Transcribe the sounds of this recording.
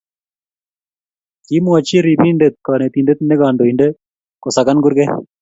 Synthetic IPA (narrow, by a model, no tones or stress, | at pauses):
kimuat͡ʃiɾibiɳɖet̪̚kanet̪iɳɖet̪neɡaːɳɖoiɳɖe | kɔsaɡanɡuɾɡe